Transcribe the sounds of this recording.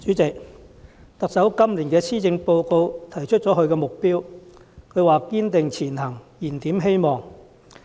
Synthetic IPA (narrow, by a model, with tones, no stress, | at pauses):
t͡ʃyː˨˥t͡sɪ˨k̚ | t̪ɐ˨k̚sɐ˨˥wkɐ˥mliː˨˩nkɛː˧t͡sʰiː˥t͡sɪ˧ŋpo˧wko˧wt̪ʰɐ˨˩jt͡ʃʰɵ˥t̚t͡sɔː˨˥kɵ˧ɥkɛː˧mʊ˨k̚piː˥w | kʰɵ˨˧ɥwaː˨kiː˥nt̪ɪ˨ŋt͡sʰiː˨˩nhɐ˨˩ŋjiː˨˩nt̪iː˨˥mɦe˥jmɔː˨˩ŋ